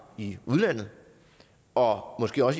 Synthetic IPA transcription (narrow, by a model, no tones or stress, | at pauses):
iuð̞ˠlæn̰ð̩ˠ | ɒ̽mɒ̽sɡ̥e̝̰ːɒ̽si